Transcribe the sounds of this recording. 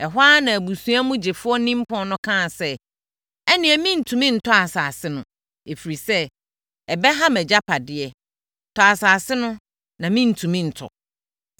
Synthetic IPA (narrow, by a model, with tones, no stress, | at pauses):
ɛ˨ɦʷaː˦nã˨æ˨bu˨sũ˦a˦mũ˦d͡ʑɪ˨fʊ˦ɔ˦nĩ˦m˦pʰɔ̃˨nʊ̃˦kʰã˦˨sɛ˦ | ɛ˦nɪ̃˨ɛ˨mĩ˦n̩˨tʰũ˨mĩ˦n̩˨tʰɔ˦a˨saː˨sɪ˦nʊ̃˨ | e˨fi˨ɾi˨sɛ˦ | ɛ˨bɛ˦ɦa˦mɛ˨d͡ʑa˦pʰa˨dɪ˨˦ɛ˨ | tʰɔ˨a˨saː˨sɪ˦nʊ̃˦ | nã˨mĩ˦n̩˨tʰũ˨mĩ˦n̩˨tʰɔ̰˨